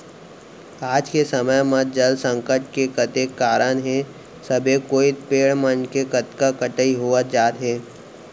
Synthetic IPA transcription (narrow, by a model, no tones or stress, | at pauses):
aːd͡ʒkesəməjmət̪̚d͡ʒəlsə̃ŋkəʈ̚kekət̪ekːaːɾənɦɛ̃ | səbʱekoːit̪peːɭmənkekət̪kakəʈəiɦoːət̪̚d͡ʒaːt̪ɦɛː